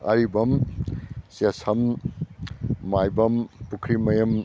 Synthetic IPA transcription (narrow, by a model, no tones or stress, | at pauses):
ɐ̰ɾibɐm | sesɐm | ajbɐmpukʰɾimɐjɐm